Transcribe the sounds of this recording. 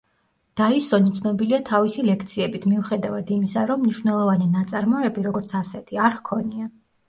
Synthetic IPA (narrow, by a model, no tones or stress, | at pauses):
d̪̥aisɔnit̪sʰnɔbiliat̪ʰavisilɛk̚ʰt̪sʰiɛbit̪ʰmiuχɛd̪avad̪imisaɾɔmːniʃwvnɛlˠɔvaninat̪sʼaɾmɔɛbiɾɔɡɔɾt̪sʰasɛt̪ʰiaɾkʰɔnia